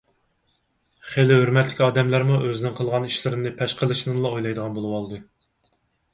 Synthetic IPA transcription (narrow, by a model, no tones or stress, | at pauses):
χelɪhøɾmɛt̪ʰlɪkʲɑːd̪ɛmlæɾmuʔøzɪnɪŋqʰəlˠʁɑniʃlɪɾɪnnɪpʰɛʃqʰəlˠɨʃnɨŋlˠɑojlˠɑjd̪əʁɑnbolˠɨwɑlˠd̪ɨ